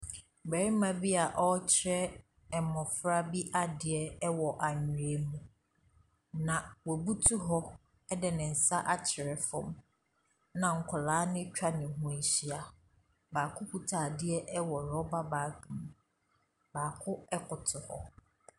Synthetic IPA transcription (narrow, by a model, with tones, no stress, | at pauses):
bɛ˨ɾi˦mã˨bi˦a˨ʔɔ˦t͡ɕʰɪ˦ɾɛ˦ | ɛ˨mɔ̃˨fɾa˦bi˦ʔa˦dɪ˨ɛ˨ɛ˦wɔ˨ʔa˨ɲi˨ɾe˨mũ˨ | nã˨wɔ˨bu˦tʰu˦ɦɔ˦ | ɛ˦dɛ˨nɪ̃˨n̩˨sa˦ʔa˦t͡ɕʰɪ˨ɾɛ˨fɔ̃˦m | nã˨ŋ̩˨kʰʊ˨laː˨˦nɪ̃˦t͡ɕᶣa˦nɪ̃˨ɦʊ̃˨˦˨ɕi˦a˨ | baː˨kʰʊ˦ku˨tʰa˨dɪ˦ɛ˦ʔɛ˦wɔ˨ɾɔ˦ba˦baː˨kʰmũ˨ | baː˨kʰʊ˦ɛ˦kʰʊ˨tʰʊ˨hɔ̰˦